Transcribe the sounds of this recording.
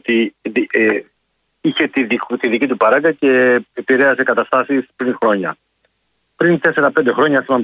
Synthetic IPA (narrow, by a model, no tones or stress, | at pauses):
t̪ii | içet̪iðit̪iðicit̪upɐɾɐɡɐce̞epiɾeɐse̞kɐt̪ɐst̪ɐsispɾinxɾo̞ɲɐ | pɾint̪e̞se̞ɾɐpend̪e̞xɾo̞ɲɐst̪iɐn